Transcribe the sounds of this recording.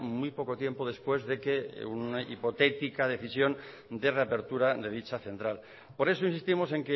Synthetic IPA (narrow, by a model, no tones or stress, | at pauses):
mujpo̞ko̞t̪je̞mpo̞ðe̞spwe̞zðe̞ke̞unaḭpo̞t̪e̞t̪ikaðe̞θisjo̞n | d̪e̞re̞ape̞ɾt̪uɾaðe̞ðit͡ʃaθẽ̞nt̪ɾal | po̞ɾe̞soinsist̪imo̞se̞ŋke